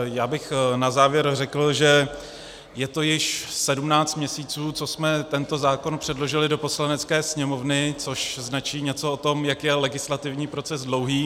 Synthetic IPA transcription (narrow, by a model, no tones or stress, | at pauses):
jaːbɪxnazaːvjɛɾrɛkl̩ʒɛ | jɛt̪o̞jɪʃsɛdumnaːt͡st̪mɲɛsiːt͡suːt͡so̞smɛt̪ɛnt̪o̞zaːko̞npr̝̥ɛdlo̞ʒɪlɪdo̞po̞slanɛt͡skɛːsɲɛmo̞vnɪt͡so̞ʃznat͡ʃiːɲɛt͡so̞ot̪o̞mjakjɛlɛɡɪslat̪ɪvɲiːpɾo̞t͡sɛzdlo̞wɦiː